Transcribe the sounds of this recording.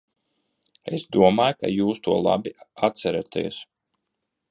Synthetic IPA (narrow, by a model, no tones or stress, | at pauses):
ḛsd̪uɔmaːjka̰juːst̪uɔlˠa̰biat̪̚t̪sɛɾat̪ḭɛs